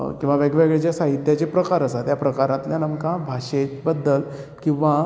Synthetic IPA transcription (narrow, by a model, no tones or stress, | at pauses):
kĩw̃ʋaʋeɡʋeɡɭet͡ɕjasaɦit̪jat͡ɕepɾəkaɾəsat̪japɾəkaɾãt̪ljanəmkãbʱaʂet͡ɕbəd̪ːəl | kĩw̃ʋa